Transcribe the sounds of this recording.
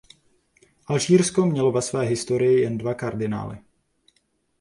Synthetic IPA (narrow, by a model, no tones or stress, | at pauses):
ʔalʒiːɾskomɲɛlovɛsvɛːɦɪst̪o̞ɾɪjɪjɛndvakaɾdɪna̰ːlɪ̰